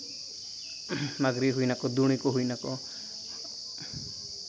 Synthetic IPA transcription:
maɡɾiɦujnakɔd̪uɽ̃ikɔɦuinakɔ

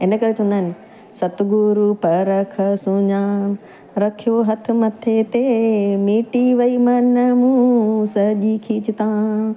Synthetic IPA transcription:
ɪnəkɐɾet͡ɕɐ̃ɦũnd̪aɦɪnɪ̆ | sɐt̪ɡuɾupɐɾɐkʰɐsʊɲaː | ɾɐkʰijoɦɐt̪ʰʊ̆mɐt̪ʰet̪emiːʈiʋɐimɐnəmũːsɐʄikʰiːt͡ɕɪt̪ãː

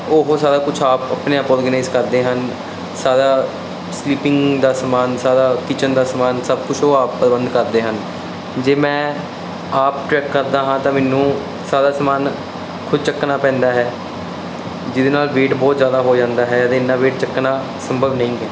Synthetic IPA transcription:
oːɦoːsaːɾaːkʊt͡ʃʰaːpə̰pneːaːpɔːɾɡənaːɪzkəɾd̪eːɦən | saːd̪aː | sliːpɪŋɡd̪aːsəmaːnsaːd̪aːkɪt͡ʃənd̪aːsəmaːnsəbkʊt͡ʃʰoːaːpːɾəbənd̪kəɾd̪eːɦən | d͡ʒeːmɛ̃ː | aːp̚ʈɾɛːkːəɾd̪aːɦãːt̪ãːmɛːnũː | saːd̪aːsəmaːn | kʰʊd̪t͡ʃəkːnaːpɛ̃ːnd̪aːɦɛː | d͡ʒɪd̪eːnaːlʋeːʈbɔːt̪zjaːd̪aːɦoːd͡ʒãːnd̪aːɦɛːət̪ẽːɪnːaːʋeːʈt͡ʃəkːnaː | səmbʱəbnəĩːɦɛː

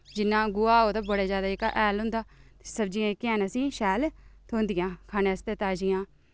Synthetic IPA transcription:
d͡ʒɪnːãːɡʊaːoːt̪aːbəɽeːzjaːd̪aːɪka̰ʔɛːlɦʊ̃nd̪aːt̪e̥səbd͡ʒijãːɪkːɛːnəsĩːʃɛːlt̪ʰoːnd̪ɪjãːkʰaːneːəst̪eːt̪aːd͡ʒɪjãː

